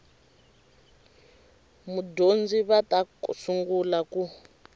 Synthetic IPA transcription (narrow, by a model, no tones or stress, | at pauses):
mudond͡ziβatasuŋɡulaku